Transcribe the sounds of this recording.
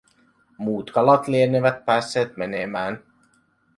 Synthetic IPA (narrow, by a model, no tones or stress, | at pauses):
muːt̪kɑlɑt̪lieneʋæt̪̚pæːsːeːt̪menemæːn